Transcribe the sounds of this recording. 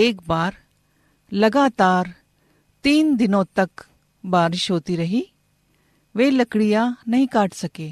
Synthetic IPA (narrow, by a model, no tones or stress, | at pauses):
eːk̚baːɾ | lɐɡaːt̪aːɾ | t̪iːnd̪ɪnõt̪ɐk | baːɾɪʃɦoːt̪iɾɐɦi | ʋeːlɐkɽijanɐɦĩkaːʈʰsɐkeː